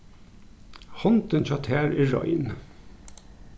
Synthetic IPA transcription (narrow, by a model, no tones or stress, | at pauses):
hɔnt̪ənçɑt̪ʰæːɹiːɹɑ̰ɪn